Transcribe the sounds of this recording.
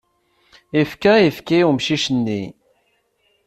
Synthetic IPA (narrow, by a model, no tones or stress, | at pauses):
ifkæifkiumʃiʃənːi